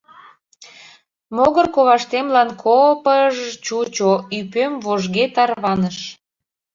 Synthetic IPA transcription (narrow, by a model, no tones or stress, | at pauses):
moɣərkoβɑʃt̪emlɑnkʰopəʒt͡ɕut͡ɕoypømvoʒɣet̪ɑrβɑnəʃ